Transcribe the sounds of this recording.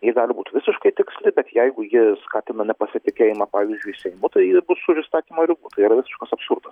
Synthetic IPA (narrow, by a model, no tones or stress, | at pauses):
jɪɡɑːlʲɪbuːt̪ʲʋʲɪsʲɪʃkɐɪt̪ʲɪksʲlʲɪbʲɛt̪jɛɪɡʊjɪskɑːt̪ʲɪnɐnʲɛpɐsʲɪt̪ʲɪkʲeːjɪmɑpɑːʋʲɪzʲd͡ʒʲʊɪsʲɛɪmʊt̪ɐɪɪbʊsʊʒʲɪst̪ɑːt̪ʲiːmɐɾʲɪbuːt̪ɐɪiɾɐʋʲɪsʲɪ̥ʃkɐsɐpsʊɾd̪ɐs